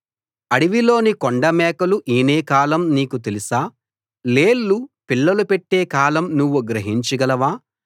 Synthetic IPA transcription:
ɐɽiʋilo̞ːnikoɳɖɐmɛːkɐluʔiːneːkaːlɐmniːkut̪̬elisaː | leːlːupiɭːɐlupeʈːe̞ːkaːlɐmnuʋːuɡɾɐɦiɲt͡ʃɐɡɐlɐʋaː

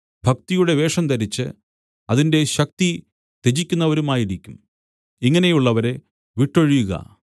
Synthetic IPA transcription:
bʱɐk̚t̪ijuɽe̞ʋe̞ːʂɐmt̪ɐɾit͡ɕːɨ̰ | ɐðinde̞ɕɐk̚t̪i | t̪ed͡ʑikʲːunːɐʋɐɾumaːjiɾikʲːum | iŋːɐne̞juɭːɐʋɐɾe | ʋiʈːo̞ɻijuɣɐ̰

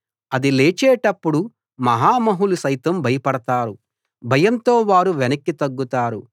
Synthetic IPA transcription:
ɐd̪ileːt͡ʃɛːʈɐpːuɽu | mɐɦaːmɐɦulusɐjt̪ɐmbʱɐjɐpɐɽɐt̪aːɾu | bʱɐjɐnt̪o̞ːʋaːɾuʋenɐkːit̪ɐɡːut̪aːɾu

